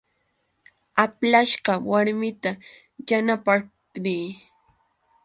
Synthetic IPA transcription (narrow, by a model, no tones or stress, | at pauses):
aplaʃɢɑwaɾmɪt̪a | janapa | niː